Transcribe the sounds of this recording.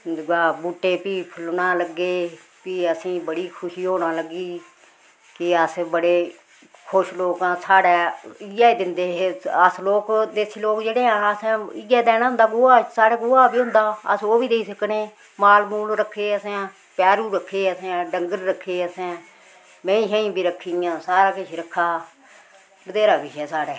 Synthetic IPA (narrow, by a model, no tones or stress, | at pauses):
d̪ɡaːbuːʈːeːpiːpʰəlnãːləɡːeː | piːəsĩːbəɽiːkʰʊʃiːɦoːnaːləɡiː | kɪəsbəɽeː | kʰʊʃloːkãːsaːɽɛːɪjaːd̪ɪnd̪eːəsloːkd̪eːsʰiːloːkd͡ʒeːɽeːãːəsːɪjɛːd̪ɛːnãːɦʊ̃nd̪aːɡʊːaːsaːɽɛːɡʊːaːbiːɦʊ̃nd̪aːə̰soːbiːd̪eːiːsəkneː | maːlmuːlɾəkʰːeːəsãː | pjaːɾuːɾəkʰːeːəsãːɖəŋɡəɾːəkʰːeːəsɛ̃ː | mẽĩːʃə̃ːĩːbʱiːɾəkʰːijãːsaːɾaːkɪʃʰɾəkʰːaː | bəd̪eːɾaːkɪʃɛːsaːɽɛː